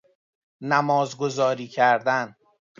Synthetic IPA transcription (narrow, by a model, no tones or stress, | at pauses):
næmɒːzɡo̞zɒːɾiːcʰæɾd̪æn